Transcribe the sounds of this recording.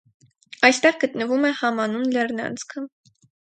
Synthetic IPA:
ɑjst̪ɛʁɡət̪nəvumɛhɑmɑnunlɛɾnɑ̰nt͡skʰə

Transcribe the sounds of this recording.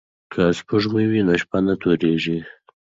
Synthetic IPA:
kʰaspuʐmuwinoʃpanat̪oɾeʒi

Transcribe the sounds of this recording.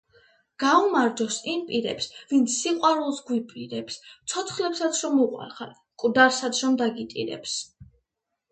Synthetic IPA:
ɡ̥aumaɾd͡ʒɔsimpʼiɾɛ̰psvint̪sʰːiqʼwaɾulˠsɡwipʼiɾɛpst̪sʰɔt̪ʰχlɛpsat̪sʰɾɔmuqʼwa̰ɾχan | kʼd̪aɾsat̪sʰɾɔmd̪aɡit̪ʼḭɾɛ̰ps

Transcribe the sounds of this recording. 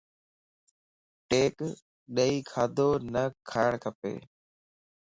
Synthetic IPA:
ʈeːk | ɗəiːkʰaːd̪ʱoːnəkʰaːəɳ̃kʰəpḛː

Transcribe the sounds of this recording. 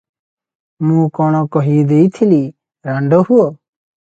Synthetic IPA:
mũːkɔɽ̃ɔkɔɦiːd̪eit̪ʰiliː | ɾaɳɖohuoː

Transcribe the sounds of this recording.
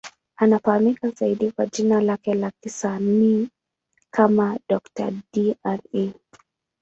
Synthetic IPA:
anafahamikazaiɗikwaʄinalakɛlakisanni | kʰamaɗɔkta̰dianɛ

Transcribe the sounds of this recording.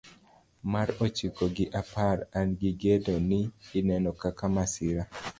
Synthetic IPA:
maɾot͡ʃikoɡɪʔapaɾanɡɪɡedonɪːnɛnɔkakamasɪɾa

